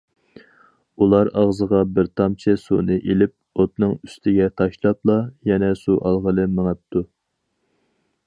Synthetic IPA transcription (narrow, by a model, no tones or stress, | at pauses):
ulˠɑɾɑʁzəʁɑbɪɾt̪ʰɑmt͡ʃʰɪsunɨʔelɪp̚ot̪nɨŋy̥st̪ʰɪɡʲɛt̪ʰɑʃlˠɑplˠɑjɛnɛsuʔɑlˠʁəlˠɨmɪŋɛp̚t̪ʰu